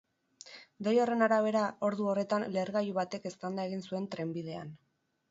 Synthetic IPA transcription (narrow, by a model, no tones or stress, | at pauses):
d̪ejo̞re̞naɾaβ̞e̞ɾao̞ɾðuo̞re̞t̪anleɾɣajuβat̪e̞ke̞st̪and̪ae̞ɣ̞insue̞nt̪ɾe̞mbiðe̞a̰n